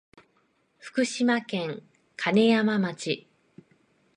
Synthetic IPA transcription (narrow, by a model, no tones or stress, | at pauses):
ɸɯ̟̥kɯ̟ɕimakẽ̞ŋ | kʰane̞jamamat͡ɕi